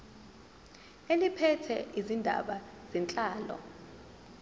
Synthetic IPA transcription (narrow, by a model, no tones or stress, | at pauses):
elipʰɛtʰɛʔizindʱa̰ɓaz̥ɛnt͡ɬʼaːlɔ̰